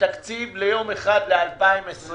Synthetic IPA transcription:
akt͡sivle̞jo̞meχad̪lealpaimesʁ

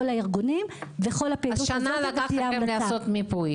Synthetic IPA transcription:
olaiʁɡunimveχo̞lapeazuʃanaalakχiamdaleasaot̪mipuj

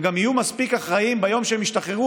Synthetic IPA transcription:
ɡamijumaspikaχʁaimbajo̞mʃeemiʃt̪aχeʁu

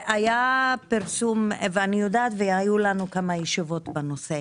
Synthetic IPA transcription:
ajapiʁsumveanijod̪aːt̪veajulanukamajeʃivo̞t̪banose

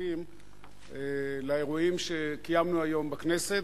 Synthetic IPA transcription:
im | elae̞ʁuimʃe̞kijamnuajo̞mbakne̞se̞t

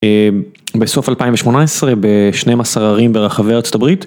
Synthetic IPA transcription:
be̞so̞falpaimveʃmo̞naesʁe̞be̞ʃnemasaʁaʁimbe̞ʁaχaveat͡so̞tabʁit

